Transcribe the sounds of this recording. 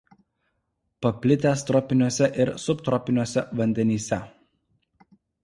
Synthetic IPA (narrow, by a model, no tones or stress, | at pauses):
pɐpʲlʲɪt̪ʲeːst̪ɾɔpʲɪnʲuɔsʲɛʔɪɾsʊpt̪ɾɔpʲɪnʲuɔsʲɛʋɐnʲd̪ʲɛnʲiːsʲɛ